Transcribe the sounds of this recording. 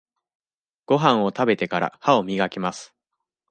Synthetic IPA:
ɡ̥o̞ɦãɰ̃o̞t̪abe̞t̪e̞kaɾa̰hao̞mʲiɡakʲimasɨ̥

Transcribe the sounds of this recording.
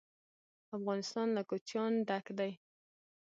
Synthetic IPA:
afɣɑnɪst̪ɑnlakot͡ʃjɑnd̪akd̪aj

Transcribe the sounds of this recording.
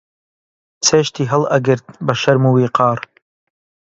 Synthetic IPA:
t͡sʰeːʃt̪ʰiːɦɐlˠɐɡɨɾt̪̚bɐʃɐɾmuwiːqɑːɾ

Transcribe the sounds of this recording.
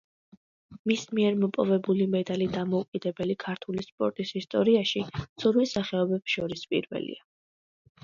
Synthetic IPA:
mismiɛɾmɔpʼɔvɛbulimɛd̪alid̪amɔukʼid̪ɛbɛlikʰaɾt̪ʰulispʼɔɾt̪ʼisist̪ʼɔɾiaʃit̪sʰuɾmisaχɛɔbɛpsʃɔɾispʼḭɾvɛ̰lḭa

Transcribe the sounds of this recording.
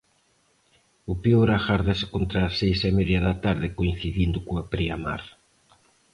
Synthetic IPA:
ʊpeoɾaxaɾðase̥kont̪ɾaːsejsemeðjɐðɐt̪aɾðɪkoin̟θiðind̪ʊkoapɾiama̰ɾ

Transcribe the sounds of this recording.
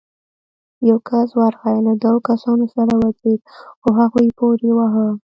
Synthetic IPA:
jawkʰaswaɾxajlad̪waɣokasɑnosaɾawazeɡ̪̚xoɦaɣojpoɾewaɦə

